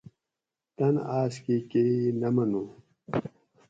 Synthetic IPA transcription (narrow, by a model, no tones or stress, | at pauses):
t̪ɐnaːskikenɐmɐnu